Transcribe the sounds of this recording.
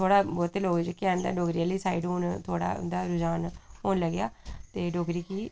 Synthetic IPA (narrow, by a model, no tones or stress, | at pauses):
t̪ʰoːɽaːbɔːt̪eːloːɡd͡ʒkɛ̃ːnd̪a̰ːɖoːɡɾijaːliːsaːiɖoːnt̪ʰoːɽa̰ːʊ̰nd̪aːɾʊd͡ʒaːnɦoːnləɡjaːt̪eːɖoːɡɾiːkiː